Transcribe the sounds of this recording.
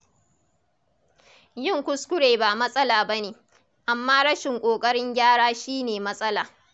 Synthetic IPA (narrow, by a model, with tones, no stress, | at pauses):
jɪ˦˨ŋkʷʊ˦skʷʊ˦ɽeː˨baː˨mɐ˦sʼɐ˦laː˨bɐ˦neː˨ | ʔa˨mːaː˦ɽɐ˦ʃɪ˨ŋkʷʼoː˨kʼɐ˦ɽɪ˦ŋɡʲaː˦ɽaː˦ʃiː˦neː˨mɐ˦sʼɐ˦laː˨